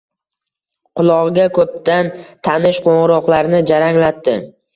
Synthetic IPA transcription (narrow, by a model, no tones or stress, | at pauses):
qʰʊlˠɒʁɡʲakʰɵp̚t̪ʰant̪ʰanɪʃqʰoɴɾɒqlˠaɾnɪd͡ʒaɾaŋlat̪ːɪ